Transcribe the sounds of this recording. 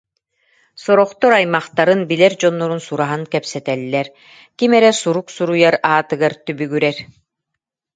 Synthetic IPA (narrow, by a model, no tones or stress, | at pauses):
sɔɾɔχt̪ɔɾajmaχt̪aɾɯnbilɛɾd͡ʑɔnːɔɾunsuɾaɦaŋkɛpsɛt̪ɛlːɛɾ | kimɛɾɛsuɾuksuɾujaɾaːt̪ɯɡaɾt̪ybyɡyɾɛɾ